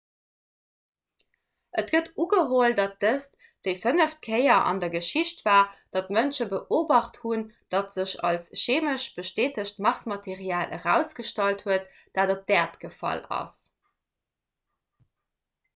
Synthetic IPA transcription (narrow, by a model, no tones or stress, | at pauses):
ʔətɡ̥ətuɡəɦoːldɑt̚d̥əs | d̥əɪfənəft̚kʰəɪɐʔɑ̰ndɐɡəʃiɕtv̥aːd̥ɑtmənʃəbəʔoːbɑχthund̥ɑtz̥əɕɑ̰lsʃeːməʃb̥əʃteːtəɕtmɑʁsmɑtʰeʁiaːlʔə̰ʁæ̰ʊsɡ̥əʃtɑlthuət | d̥aːdop̚d̥ɛːɐtɡ̥əfɑ̰lɑ̰s